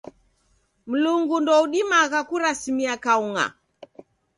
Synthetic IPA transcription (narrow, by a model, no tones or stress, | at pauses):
m̩luŋɡundɔuɗimaɣakuɾasimiakauŋa̰